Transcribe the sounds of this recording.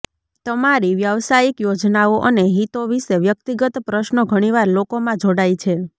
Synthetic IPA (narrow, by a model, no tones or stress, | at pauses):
t̪əmaɾiʋjəʋsajikjod͡ʒnaoʔəneɦit̪oʋiʃeʋjək̚t̪iɡət̪pɾəʃnoɡʱəɽ̃iʋaɾlokomãd͡ʒoɽajt͡ʃʰe